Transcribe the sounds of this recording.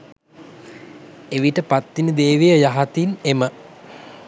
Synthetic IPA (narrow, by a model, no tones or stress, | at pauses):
eʋiʈəpat̪ːinəd̪eːʋejəjaɦat̪inemə